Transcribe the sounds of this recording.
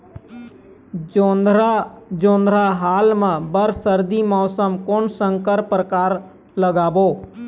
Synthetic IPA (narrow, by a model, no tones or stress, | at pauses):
oːnd̪ɾad͡ʒõːnd̪ʱɾaɦaːlmə̃bəɾsəɾd̪imɔːsəmkoːnsə̃ŋkəɾpɾəkaːɾ | ləɡaːboː